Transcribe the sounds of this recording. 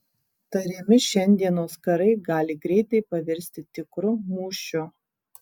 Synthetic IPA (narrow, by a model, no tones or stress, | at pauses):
t̪ɐɾʲɪmʲɪʃʲɛnʲd̪ʲiɛnoːskɐɾɐɪɡɑːlʲɪɡɾʲɛɪt̪ɐɪpɐʋʲɛɾʲsʲt̪ʲɪt̪ʲɪkɾʊmuːʃʲʊ